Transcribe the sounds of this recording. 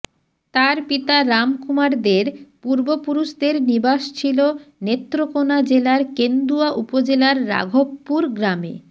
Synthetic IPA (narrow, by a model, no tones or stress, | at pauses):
t̪aɾpit̪aɾamkumaɾd̪eɾpuɾbopuɾuʃd̪eɾnibaʃt͡ɕʰilonet̪ːɾokonad͡ʑelaɾkend̪uaʔupod͡ʑelaɾːa̰ɡʱopːuɾɡɾamḛ